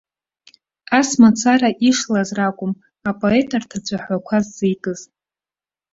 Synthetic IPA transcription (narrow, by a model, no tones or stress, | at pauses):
asmat͡sʰaɾaʔiʂlazrakʷʼʊm | apʼo̞e̞tʰʼartʰat͡ɕʷʰʼaħʷakʷʰazːijkʼɨz̥